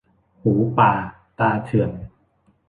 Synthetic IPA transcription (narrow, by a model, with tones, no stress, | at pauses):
huː˩˦paː˨˩ | t̪aː˧t̪ʰɯ˨˩ən